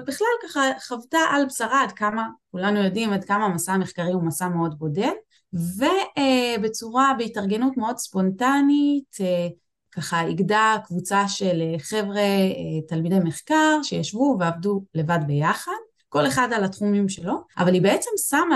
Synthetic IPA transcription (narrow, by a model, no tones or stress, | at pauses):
biχlalkaχaχavtaʔalbsaʁaːdkamakulanujo̞dimadkamamasameχkaʁiumasame̞o̞dbo̞de̞l | ve̞ebe̞t͡suʁabeitaʁɡe̞nutme̞o̞dspo̞ntanite | kaχaiɡdakvut͡saʃeleχe̞vʁe̞talmidejmeχkaʁʃejaʃvuveavdule̞vadbe̞jaχad̚ | ko̞le̞χadalatχumimʃelo̞ʔa̰valibe̞et͡se̞msama